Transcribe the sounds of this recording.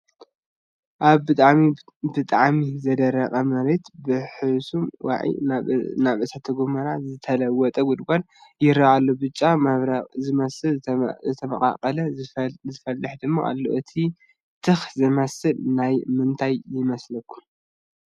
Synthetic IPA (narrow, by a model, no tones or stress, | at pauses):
ʔaβbɨt̪ʼaʕmi | bɨt̪ʼaʕmizɐd̪ɐɾɐqʼɐmɐɾet̪bɨħɨsumwa̰ʕḭnaβɨsʰat̪ʰːɐɡomɐɾazɨt̪ʰɐlɐwɔt̪ʼɐɡʊd̪ɡon | jɪɾaʔalːobɨt͡ʃʼːaβɾazɨmɐsɨlzɨt̪ʰɐmɐχʼa̰qʼɐlɐzɨfɐlːɨħd̪ɨmːa̰ʔa̰lːo̞̰ʔɨt̪ʰi | t̪ʰɨxzɨmɐsɨlnajmɨnt̪ʰajːɪmɐslɐkʰːum